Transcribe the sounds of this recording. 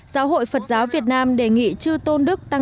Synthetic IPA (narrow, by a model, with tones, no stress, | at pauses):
zaː˨˦wɦo̰˧˨jfə˨˩t̚zaː˨˦wvi˨˩ət̚naː˧mɗe˧˩ŋḭ˧˨t͡ɕɨ˧t̪o˧nɗɨ˦˥k̚t̪a˧